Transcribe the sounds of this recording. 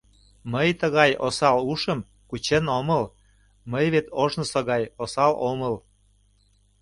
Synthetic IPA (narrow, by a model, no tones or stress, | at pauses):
məjt̪əɣɑjosɑluʃəm | kut͡ɕenoməl | məjβet̪ʰoʒnosoɣɑjosɑloməl